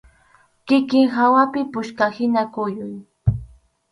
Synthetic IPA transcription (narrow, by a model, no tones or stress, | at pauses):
kɪkɪŋɦawapɪpʊʃkahɪnakʊjʊj